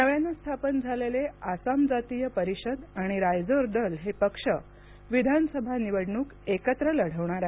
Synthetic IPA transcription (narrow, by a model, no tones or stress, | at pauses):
nəʋanːəst̪ʰapənd͡zʱaleleasamd͡zat̪ijəpəɾiɕəd̪aɽ̃iɾajd͡zoɾd̪əlɦepəkʂə | ʋid̪ʱansəbʱaniʋəɽɳuːkekət̪ɾələɽ̤əʋɳ̃aɾaɦe